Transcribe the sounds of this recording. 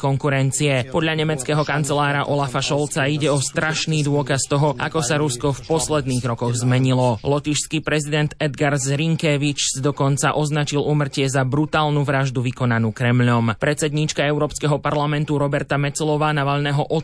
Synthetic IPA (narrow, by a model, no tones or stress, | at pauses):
kɔŋkuɾɛnt͡siɛpɔd̪ʎaɲɛmɛt͡skɛːɦɔkant͡sɛlaːɾaʔɔlafaʃɔlt͡saiɟɛɔst̪ɾaʃniːd̪ʊɔkast̪ɔɦɔʔa̰kɔsaɾuskɔfpɔslɛd̪niːɣɾɔkɔɣzmɛɲilɔlɔt̪iʃskipɾɛzid̪ɛnt̪ɛd̪ɡaɾzɾiŋkɛʋit͡ʃsd̪ɔkɔnt͡saʔɔznat͡ʃiluːmr̩cɪɛzabɾut̪aːlˠnuʋɾaʒd̪uʋikɔnanuːkɾɛmʎɔmpɾɛt͡sɛd̪ɲit͡ʃkaɛʊɾɔːpskɛɦɔpaɾlamɛnt̪uɾɔbɛɾt̪amɛt͡sɛlɔʋaːnaʋaʎnɛːɦɔʔɔ